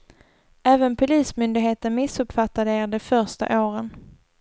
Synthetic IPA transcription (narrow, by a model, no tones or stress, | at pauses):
æːvənpʰʊliːsmʏnd̪ɪɡɦeːt̪ənmɪsɵpfat̪ːad̪əeːɾd̪ɛfœɾʂʈa̰ʔoːɾən